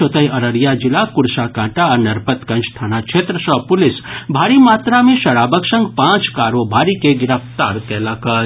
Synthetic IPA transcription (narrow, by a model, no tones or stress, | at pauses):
ot̪əjəɾəɾjad͡ʒɪlakʊɽsakãːʈaəɾnəɾpət̪kə̃nt͡ʃʰt̪ʰanat͡ʃʰet̪ɾəsəpʊlɪsbʱaːɾimat̪ɾamẽʃɐɽaːbəksə̃ŋɡpãːt͡ʃkaːɾobʱaːɾikeɡɪɾəpt̪aːɾkɛːlakə